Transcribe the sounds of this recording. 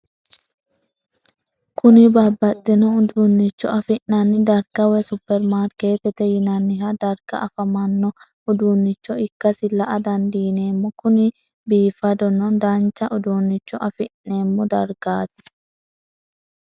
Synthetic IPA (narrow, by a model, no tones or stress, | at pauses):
kʊnɪbɐbːɐt̪ːɛnɔʊd̪unːɪt͡ʃːɔʔɐfɪʔɐnːɪd̪ɐɾɡɐwɛsʊpːɛɾmaːɾkeːt̪ɛt̪ɛjɪnɐnːɪɦɐd̪ɐɾɡɐ̰ʔɐfɐmɐnːɔ | ʊd̪uːnːɪt͡ʃːɔɪkːɐsɪlɐʔɐd̪ɐnd̪iːneːmːɔkʊnɪ | biːfɐd̪ɔnɔnd̪ɐnt͡ʃːɐʔʊd̪uːnːɪt͡ʃːɔʔɐfɪʔːeːmːɔd̪ɐɾɡaːt̪ɛ̥